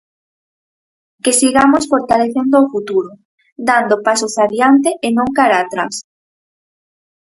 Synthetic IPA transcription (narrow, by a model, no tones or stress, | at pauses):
kesiɣamosfoɾt̪aleθend̪oːfut̪uɾʊ | d̪and̪opasosaβjant̪eʔenõŋkaɾaːt̪ɾa̰s